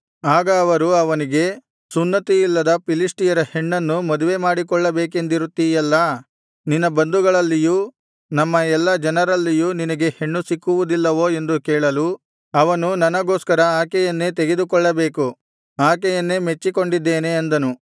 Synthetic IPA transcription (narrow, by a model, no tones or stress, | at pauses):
aːɡɐːʋɐɾuɐʋɐniɡe̞ | sunːɐt̪iilːɐd̪ɐpilisʈijɐɾɐhe̞ɳːɐnːumɐd̪uʋe̞maːɽik̬ɔɭːɐbeːk̬e̞nd̪iɾut̪ːijɛlːɐ | ninːɐbɐnd̪uɡɐɭɐlːiju | nɐmːɐɛlːɐd͡ʒɐnɐɾɐlːijuninɐɡe̞he̞ɳːusikːuʋud̪ilːɐʋo̞ːe̞nd̪ukɛːɭɐlu | ɐʋɐnunɐnɐɡo̞ːskɐɾɐaːkɛjɐnːet̪e̞ɡe̞d̪ukɔɭːɐbeːku | aːk̬ɛjɐnːeme̞t͡ʃːiko̞ɳɖid̪ːeːne̞ːnd̪ɐnu